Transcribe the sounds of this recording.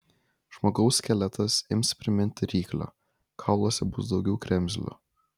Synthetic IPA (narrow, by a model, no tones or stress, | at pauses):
ʒ̥moːɡɒʊsʲkʲɛlʲɛt̪ɐsɪmspʲɾʲɪmʲɪnʲt̪ʲɪɾʲiːklʲɐ̰ | kʰɑʊlˠoːsʲɛbʊsd̪ɒʊɡʲɛʊkɾʲɛmʲzʲlʲʊ̰